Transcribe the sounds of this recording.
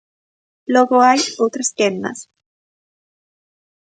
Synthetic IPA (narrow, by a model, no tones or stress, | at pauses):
loɣoajot̪ɾaskenːa̰s